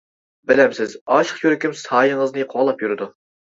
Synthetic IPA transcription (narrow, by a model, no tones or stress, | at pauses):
bɪlɛmsɪzɑʃə̥qjʰøɾɪkʲymsɑːjəŋəznɨqʰolˠɑpjuɾɨd̪u